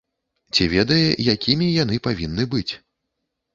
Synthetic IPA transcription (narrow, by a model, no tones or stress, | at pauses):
t͡sʲivʲɛd̪ɐjɛjakʲimʲijanɨpavʲinːɨbɨt͡sʲ